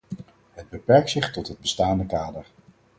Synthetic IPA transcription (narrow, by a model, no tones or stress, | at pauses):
ɦəd̚bəpɛɹk̚tsɪχtɔtɦəd̚bəstaːndəkaːdəɹ